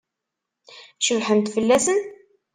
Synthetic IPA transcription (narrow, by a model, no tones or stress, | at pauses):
ʃəvħənt̪fəlːæsən